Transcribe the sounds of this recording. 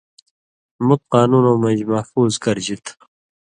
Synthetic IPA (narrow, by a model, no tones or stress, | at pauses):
mut̪̚qɑːnuːnoːmɐ̃d͡ʑmɐhfuːzkɐɾd͡ʑit̪ʰ